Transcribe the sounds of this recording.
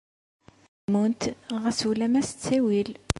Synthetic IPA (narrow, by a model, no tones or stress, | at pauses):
munt̪ʁəsulæmæst͡sːæwil